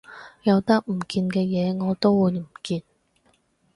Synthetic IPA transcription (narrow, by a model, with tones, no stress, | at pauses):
jɐ˨˧wt̪ɐ˥k̚m̩˨˩kiː˧nkɛː˧jɛː˨˧ŋɔː˨˧t̪o˥wwuː˨˧jm̩˨˩kiː˧n